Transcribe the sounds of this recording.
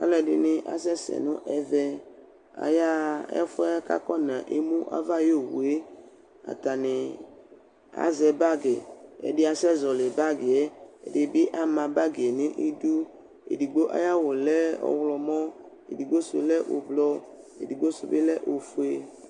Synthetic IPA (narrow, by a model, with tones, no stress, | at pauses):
a̰˨˦lɛ˨dɪ˨nɪ̃˨ʔa̰˨sɛ˦sɛ̰˨nʊ̃˦ʔɛ˦vɛ˦ | a̰˨ja˦ɛ̰˦fʊ˦ɛ˦ka̰˦kɔ˦nã˨ʔe˦mũ˦ʔa̰˦va˦jo˦˨wṵ˨e˦ | a̰˨t̪a˨nɪ˨ | a̰˦zɛ˨ba˦ɡe˨ɛ̰˨dɪ˦a˨sɛ˦zɔ˨le˨ba˦ɡɪ˨ɛ˦ɛ̰˨dɪ˨bɪ˦ʔa˦mã˨ba˦ɡɪ˨ɛ˨nɪ̃˦ʔi˦du˦ | ḛ˨di˨ɡ͡bo˦ʔa̰˦ja˦wo˨lɛ˦ɔ̰˨wlɔ˨mɔ̃˦ | ḛ˨di˨ɡ͡bo˦sʊ˨lɛ˦ʔo̰˨blɔ˦ | ḛ˨di˨ɡ͡bo˦sʊ˨bɪ˦lɛ˦ʔo˨fu˦e˦